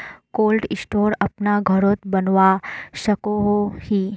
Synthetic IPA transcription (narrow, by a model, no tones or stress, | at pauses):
kolɖɪsʈoɾɐpnaɡʱəɾot̪bənʋaʃəkoɦohi